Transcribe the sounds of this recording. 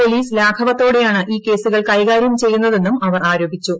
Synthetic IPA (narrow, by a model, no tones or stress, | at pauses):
poliːslaːkʰɐʋɐt̪ːo̞ːɽe̞jaːɳɨʔiːke̞ːsuɣɐɭkɐjɣaːɾjɐmt͡ɕe̞jːunːɐðe̞nːumɐʋɐraːɾo̞ːbʱit͡ɕːu